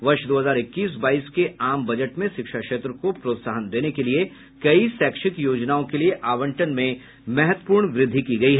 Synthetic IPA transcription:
ʋɐɾʃd̪oːɦəzaːɾɪkːiːs̬baːiːskeaːmbɐd͡ʒəʈmẽʃɪkʃakʃeːt̪ɾəkopɾoːt̪saːɦənd̪eːnekelie | kɐisɛːkʃɪkjoːd͡ʒnaːõkelieʔaːʋə̃ɳʈənmẽ | mɛɦət̪wəpuːɾɳʋɾɪd̪ʱːikiɡɐiɦɛː

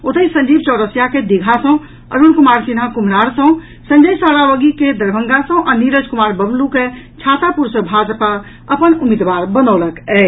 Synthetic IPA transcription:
ot̪əisənd͡ʒibt͡ʃɔʊɾəsjaked̪iɡʱasə̃ | ə̰ɾunkumaɾsinakum̤naɾsə̃ | sə̃ɲd͡ʒəjsaɾaʋəɡiked̪əɾbʱə̃ŋɡasə̃ʔaniɾəd͡ʒkumaɾbəmluket͡ʃʰat̪apuɾsə̃bʱad͡ʒpa | əpənumid̪ʋaɾbənəwləkɛ

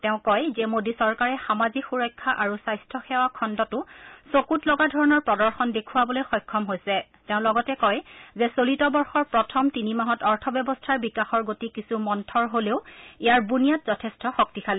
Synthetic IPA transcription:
tɛʊ̃kɔjzɛmodisɔɹkaɹɛxamazikxuɹɔjkʰːaʔaɹusajstʰɔxɛwakʰɔndɔtʊsokutlɔɡadʱɔɹɔnɔɹpɹɔdɔɹxɔndekʰuwabɔlojxɔjkʰːɔmɦojsɛ | tɛʊ̃lɔɡɔtɛkɔjzɛsolitɔbɔɹxɔɹpɹɔtʰɔmtinimaɦɔtɔɹtʰɔbjɛbɔstʰaɹbikaxɔɹɡotikisumɔntʰɔɹɦoleʊijaɹbunijatz̥ɔtʰɛstɔxɔk̚tikʰalɛ

